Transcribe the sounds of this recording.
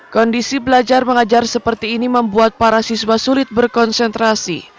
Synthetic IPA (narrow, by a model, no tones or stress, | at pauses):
kɔndisibəlad͡ʒarməŋad͡ʒarsəpərt̪iːniməmbuat̪̚paɾasiswasulɪt̪̚bərkɔnsɛnt̪ɾasḭ